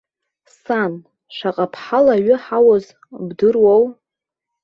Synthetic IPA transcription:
san | ʃʷaqʼapʰħalaɥʏħawoz | bdɨrwow

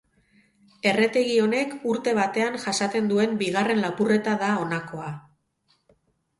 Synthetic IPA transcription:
e̞re̞t̪e̞ɣio̞ne̞kuɾt̪e̞βat̪e̞aŋʝasat̪e̞nd̪ue̞mbiɣare̞nlapure̞t̪aðao̞nako̞a

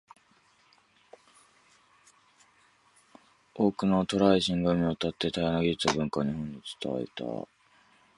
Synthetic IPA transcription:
oːkɯ̟not̪o̞ɾaiɕĩŋɡamʲiot̪at̪ːe̞t̪ajanaɡʲit̪ːabɯ̟̃ŋkaɲiɦõ̞ɲ̟ːit͡sɨ̥t̪a̰ḛt̪a̰

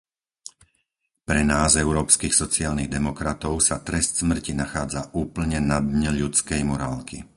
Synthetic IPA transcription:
pɾɛnaːzɛʊɾɔːpskiːxsɔt͡siaːlniɣd̪ɛmɔkɾat̪ɔʊsat̪ɾɛst̪smr̩cinaxaːd͡zaʔuːpl̩ɲɛnad̪ɲɛʎut͡skɛjmɔɾaːlki

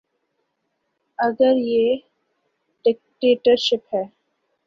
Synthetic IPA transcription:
ɐɡəɾjeː | ɖɪk̚ʈeːʈəɾʃɪpɦɛː

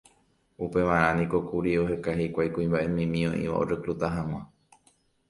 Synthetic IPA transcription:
upe̞ʋãɾ̃ãnĩko̞kuɾiohekaɦekʷajkũĩmbaʔemĩmĩõʔḭ̃ʋa̰o̰ɾɨkɾut̪aɦãŋ̃ã

